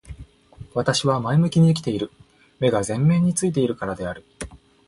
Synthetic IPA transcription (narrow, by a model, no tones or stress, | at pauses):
βat̪aɕiβamaimɯ̟kʲiɲ̟iːkʲi̥t̪e̞iɾɯ̟ | me̞ɡazẽ̞mːẽ̞ːɲ̟ːit͡sɨit̪e̞iɾɯ̟kaɾad̪e̞aɾɯ̟